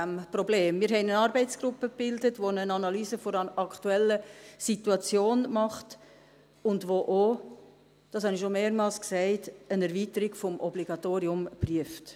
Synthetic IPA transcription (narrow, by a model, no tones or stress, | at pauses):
æmprɔbleːmːɪːɾɦɛɪnənɑːɾbɛɪtt͡sɡ̥ɾʊpːəpɪldətʋonənɑnɑlyːzəfoɾɑktuɛlːəsituɑt͡sjoːnmɑχt | ʊndʋoʔo | d̥ɑshɑniʃomeːɾmɑːlsksɛɪtənæɾviːtəɾiɡfɔmʔɔbliɡ̥ɑtoːɾiʊmpryəft